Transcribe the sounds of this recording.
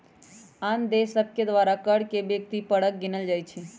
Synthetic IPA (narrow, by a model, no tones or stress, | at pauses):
ãnd̪esəb̚kʰjəd̪ʋaːɾakəɽkebjək̚t̪ipəɽək̚ɡɪnəld͡ʒajt͡ʃʰe